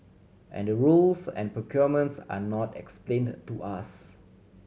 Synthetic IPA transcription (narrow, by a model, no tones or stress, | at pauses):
ʔɛ̰̃ndəɹulsɛ̰̃npɹokʰjɔmə̃ntsa̰nɔtɛ̰ksplẽntuʔas